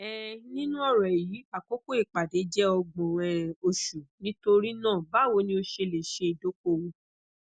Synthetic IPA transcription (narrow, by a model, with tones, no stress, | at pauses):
ɛ˨nĩ˦nũ˦ɔ˦˨ɾɔ˨ji˨˦a˨ko˦ko˦e˦˨k͡pa˨de˨˦d͡ʒɛ˦ɔ˧ɡ͡bɔ̃˨ɛ̃˨o˧ʃu˨nĩ˦to˧ɾi˦nãː˦˨ba˨˦˨wo˧˦nĩ˦o˧ʃe˧le˨ʃe˧i˨do˨˦ko˦wũ˧